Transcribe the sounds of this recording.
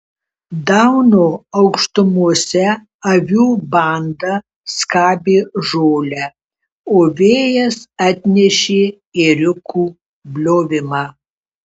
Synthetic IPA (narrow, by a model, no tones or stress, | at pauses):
d̪ɐʊnoːɐʊkʃt̪ʊmuɔsʲɛ | ɐʋʲuːbɐˑnd̪ɐ | skɑːbʲeːʒoːlʲæː | oːʋʲeːjɛsɑːt̪ʲnʲɛʃʲeː | ɪɾʲʊkuː | bʲlʲoːʋʲɪmɑ